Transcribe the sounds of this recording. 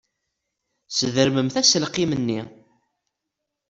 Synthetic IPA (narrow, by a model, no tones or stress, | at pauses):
səðəɾməmθæsəlqimənːi